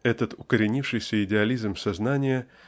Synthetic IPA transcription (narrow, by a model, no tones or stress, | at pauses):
ɛt̪ət̪ʊkəɾʲɪnʲifʂɨjsʲəɪdʲɪɐlʲizmsɐznanʲɪjə